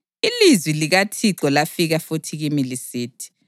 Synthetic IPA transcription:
ilizwiliɣatʰiǁɔlafiɣafutʰiɣimilisiːtʰi̥

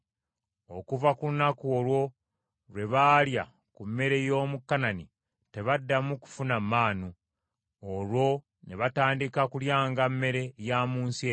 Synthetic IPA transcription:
o̞kuvakulunakuolwo̞ | ɾwe̞βaːlja | kumːe̞ɾe̞jo̞ːmukːanani | te̞βadːamuku̥funamːaːnu | olwo̞ | ne̞βataːndikakuljaːŋɡamːe̞ɾe̞jamuːnsie

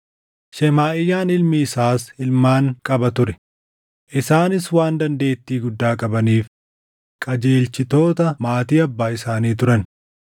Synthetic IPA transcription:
ʃɛmaːʔɪjːaːnɪlmiːsaːsɪlmaːŋkʼɐbɐt̪ʊɾɛ̥ | ʔɪsaːnɪswaːnd̪ɐnd̪e̞ːt̪ːiːɡʊd̪ːaːkʼɐbɐniːf | kʼɐd͡ʒeːlt͡ʃɪt̪o̞ːt̪ɐmaːt̪iːɐbːaːɪsaːniːt̪ʊɾɐn

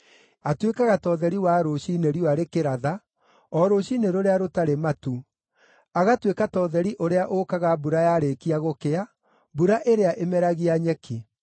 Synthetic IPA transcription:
atwekaɣatɔðɛɾiwaɾoɕineɾiwaɾekeɾaða | ɔɾoɕineɾoɾeaɾotaɾematu | aɣatwekatɔːðɛɾiʔoɾeaʔokaɣabuɾajaːɾekiaɣokea | buɾaʔeɾeaʔemɛɾaɣiaɲɛkʰi

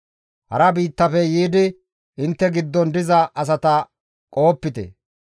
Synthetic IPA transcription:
hɐ̰ɾɐbiːt̪ːɐfɛjiːd̪ɪ | ɪnt̪ːɛɡɪd̪ːɔnd̪ɪzɐʔɐs̬ɐt̪ɐ | kʼo̞ːpːɪt̪ɛ̰

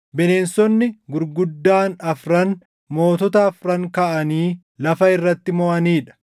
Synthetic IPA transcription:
bɛne̞ːnsɔnːɪɡʊɾɡʊd̪ːaːnɐfɾɐn | mo̞ːt̪ɔt̪ɐɐfɾɐŋkɐʔɐniː | lɐfɐɪrːɐt̪ːɪmɔʔɐniːᶑɐ̥

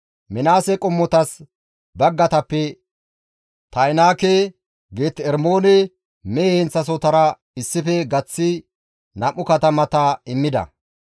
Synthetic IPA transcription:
mɪnaːsɛkʼʊmːɔt̪ɐs | bɐɡːɐt̪ɐpːɛ | t̪ɐjnaːke | ɡeːt̪ɛɾmoːnɛ | mɛhɛnt͡sːɐs̬ɔt̪ɐɾɐ | ɪsːɪfɛɡɐt͡sːɪ | nɐmːʊkɐt̪ɐmɐt̪ɐɪmːɪd̪ɐ̰

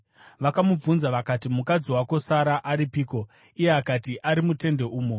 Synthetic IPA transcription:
ʋakamub͡vunzaʋakatimukad͡ziwako̞saɾaʔaɾipiːko̞ | ijeakatiʔaɾimute̞nde̞ʔuːmo

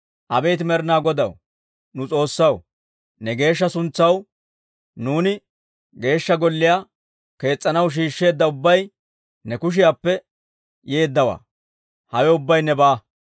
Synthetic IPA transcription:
ʔɐbe̞ːt̪ɪmɛɾɪnaːɡɔd̪ɐw | nʊt͡sʼo̞ːsːɐw | nɛɡe̞ːʃ̬ːɐsʊnt͡sːɐw | nuːnɪ | ɡe̞ːʃːɐɡɔlːɪjaː | ke̞ːt͡sʼːɐnɐwʃ̬iːʃːe̞ːd̪ːɐʊbːɐj | nɛkʊʃ̬ɪjaːpːɛ | je̞ːd̪ːɐwa̰ː | hɐwɛʊbːɐjnɛbaː

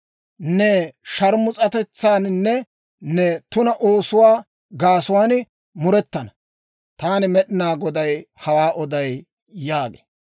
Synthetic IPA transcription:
nɛʃɐɾmʊt͡sʼɐt̪ɛt͡sːaːnnːɛ | nːɛt̪ʊnɐʔoːsʊwaː | ɡaːsʊwaːn | mʊɾɛt̪ːɐnɐ | t̪aːnɪmɛɗɪnaːɡɔd̪ɐjhɐwaːʔɔd̪ɐjː | aːɡḛ

